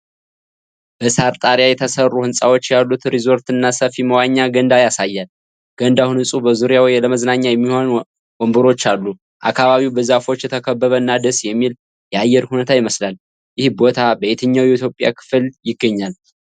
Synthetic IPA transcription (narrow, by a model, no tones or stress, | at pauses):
b̥əsaɾt̪ʼaɾjajɛt̪ʰəsərːuhɨnsʼawot͡ʃːjalːut̪ɾizo̞ɾt̪ɨnːasəfiməwaɲːaɡənd̪ajasajːal | ɡ̥ənd̪ahunhɨsʼubəzuɾjawjləməznaɲːajɛmːiho̞n | wombɨɾo̞t͡ʃːalːu | ʔakʰːaβaβiwbəzafo̞t͡ʃːjɛt̪ʰəkʰəbːəβəɨnːad̪əsjɛmːil | jɛajːɛɾhunət̪ʰajɪməslal | jɪhbo̞t̪ʰabəet̪ʰɨɲːawjɛit̪jo̞pʼja̰kʰɨ̥fljɪɡːəɲːal